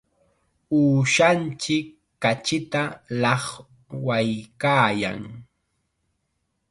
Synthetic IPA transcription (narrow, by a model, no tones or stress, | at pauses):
uːʃant͡ʃɪkː | at͡ʃɪt̪alɑχ | wajkaːja̰ŋ